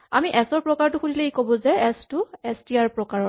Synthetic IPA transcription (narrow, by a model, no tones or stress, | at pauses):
a̰miʔɛsɔɹpɹɔkaɹtʊxudʱileikobɔ̃zɛɛstʊɛstiaɹpɹɔkaɹɔ